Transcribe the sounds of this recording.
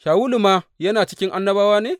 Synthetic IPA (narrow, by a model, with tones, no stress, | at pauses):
ʃaː˨wu˦lu˨maː˦jɐ˦naː˨t͡ʃɪ˦kʲɪ˦ŋʔa˦nːɐ˦baː˦waː˦neː˦˨